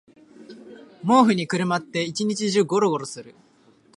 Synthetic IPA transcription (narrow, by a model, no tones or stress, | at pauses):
mo̞ːɸɯ̟ɲ̟ikɯ̟ɾɯ̟mat̪ːe̞it͡ɕiɲ̟it͡ɕiʑɨːɡo̞ɾo̞ɡo̞ɾo̞sɨɾɯ̟